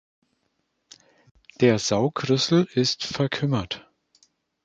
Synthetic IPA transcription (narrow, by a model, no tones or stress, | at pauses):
d̥eːɐzaʊkʁʏsl̩ɪstfɛɐkʰʏmɐt